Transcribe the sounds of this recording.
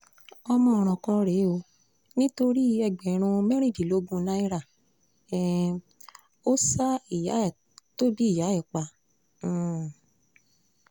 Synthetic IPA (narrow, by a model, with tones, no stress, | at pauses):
ɔ˧mɔ̃˧˨ɾ̃ɔ̃˨kɔ˧ɾe˨˦o˧ | nĩ˦to˧ɾi˦ɛ˧˨ɡ͡bɛ˨ɾ̃ũ˧mɛ̃˦ɾ̃ĩ˦˨di˨lo˨˦ɡũ˦˧nã˦i˦ɾa˦˨ | ɛ˨ | o˦sa˦i˦˨ja˨˦˨ | to˦di˦i˦˨ja˨˦ɛ˦˨k͡pã˧˦˨